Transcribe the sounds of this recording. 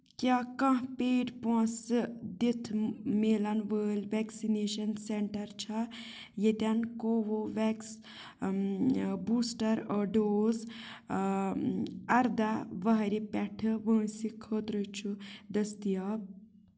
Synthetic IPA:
kjaːkɐ̃ɦpeːʈpõsɨd̪it̪ʰmeːlɐnʋəːlʲʋɛksineːʃɐnseɳʈɐɾt͡ʃʰa | jet̪ʲankoːʋoʋɛks | buːsʈɐɾəːɖoːz | ɐɾd̪aʋɐɦɾipɛʈʰɨʋə̃ːsikʰəːt̪ɾət͡ʃʰud̪ɐst̪ijaː

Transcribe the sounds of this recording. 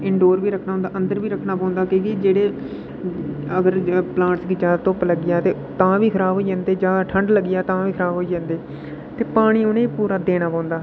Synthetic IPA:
ɪɳɖoːɾʋiːɾəkʰnaːɦʊ̃nd̪aːʔənd̪əɾʋiːɾəkʰːnaːpãːnd̪aːkẽːkiːd͡ʒeːɽeː | əɡəɾplãːʈsɡɪt͡ʃaːt̪õpləɡːɪjaːt̪eː | t̪ãːʋiːkʰəɾaːbɦoːiːd͡ʒãːnd̪eːd͡ʒãːʈʰəɳɖləɡɪjaːt̪ãːʋiːkʰɾaːbɦoːiːd͡ʒãːnd̪eː | t̪eːpaːɽ̃iːonẽːpuːɾaːd̪eːñaːpãːnd̪aː

